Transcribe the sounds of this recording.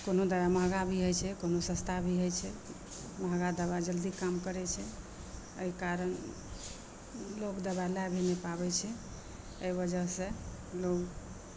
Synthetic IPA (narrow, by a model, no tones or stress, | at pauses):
konod̪əbaməɦɡabʱiɦojt͡ʃʰɛkonosə̃st̪ʰabʱiɦojt͡ʃʰɛ | məɦɡad̪əβad͡ʒəld̪ikamkəɾɛt͡ʃʰɛ | əikaɾən | loɡd̪əbalabʱenepabɛt͡ʃʰɛ | əbəd͡ʒəɦsẽ | loɡ